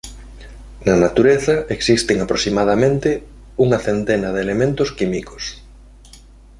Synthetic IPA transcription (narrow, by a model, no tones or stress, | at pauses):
nɐnat̪uɾeθɐeksist̪eŋapɾosimaðamẽnt̪ɪ | uŋɐθent̪enɐðelemẽnt̪ʊskimikos